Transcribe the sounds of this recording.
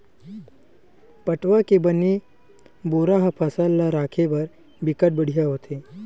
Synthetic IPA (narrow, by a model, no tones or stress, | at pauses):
pəʈʋakebəni | boɾaɦpʰəsalːaɾakʰebəɾ | bikəʈ̚bəɽ̤ijaɦot̪ʰe